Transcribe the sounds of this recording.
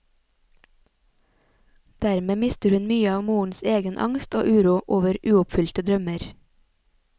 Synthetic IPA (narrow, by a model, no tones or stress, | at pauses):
d̪̥æɾmeːmɪst̪əɾhʉnmyːəɑːʋmuːɳ̩seːɡənʔɑ̰ŋst̪o̰ːʔʉːɾuːʔoːʋəɾʔʉːʊpfʏlt̪əd̪ɾœməɾ